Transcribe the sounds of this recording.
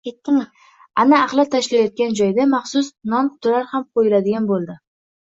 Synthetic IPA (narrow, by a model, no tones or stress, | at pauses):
kʲet̪ːɪŋ | anaːqlˠɪt̪ʰaʃlajɒt̪̚kʲand͡ʒɒjd̪amɑχsʊsnɒnqʰʊ̥t̪ɪlaɾhamqʰojɪlad̪ɪɡʲanbolˠd̪ɪ